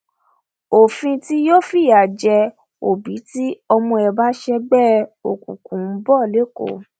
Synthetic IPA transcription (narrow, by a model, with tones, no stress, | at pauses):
o˨fĩ˧ti˦jo˦fi˦˨a˨d͡ʒɛ˧ | o˨bi˨˦ti˦ɔ˧mɔ̃˧ɛ˨ba˨˦ʃɛ˧ɡ͡bɛ˦˨o˨kṵ̃˨kũ˨˦bɔ˦˨le˦ko̰˦˨